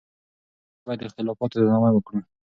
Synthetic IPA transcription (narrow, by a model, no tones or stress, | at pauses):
b̥ɑjad̪ɪxt̪ɪlɑfɑt̪ozɑmawəkɽə